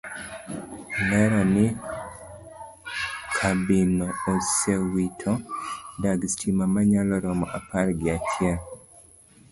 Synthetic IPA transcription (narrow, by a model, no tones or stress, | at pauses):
lɛɾanɪ | kʰabinɔːsewitʰɔdaɡstʰimamaɲalɔɾɔmɔʔapaɾɡɪatʰjɛl